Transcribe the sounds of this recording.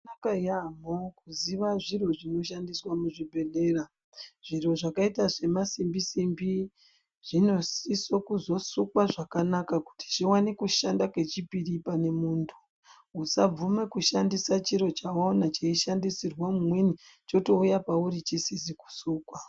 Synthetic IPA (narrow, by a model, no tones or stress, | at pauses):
nakajamokuziʋaʐiro̞ʐino̞ʃandiswamuʐibʱe̞le̞ra | ʐ̥iro̞ʐakaitaʐe̞masimbisimbi | ʐ̥ino̞sisokuzo̞sukwaʐakanakaku̥ti̥ʐiwanekuʃandakwe̞t͡ʃipiripane̞muːntʰu̥ | usab͡vume̞kuʃandisat͡ʃiɾo̞t͡ʃawaonat͡ʃeiʃandisirwamumwenit͡ʃo̞to̞ujapauɾit͡ʃisisiku̥suːkwa